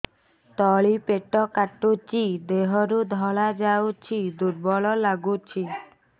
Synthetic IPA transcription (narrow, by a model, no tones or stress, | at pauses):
t̪ɔɭipeʈɔkaʈut͡ʃid̪eɦɔɾud̪ʱɔɭad͡ʒawt͡ʃʰid̪uɾbɔɭɔlaɡut͡ʃʰi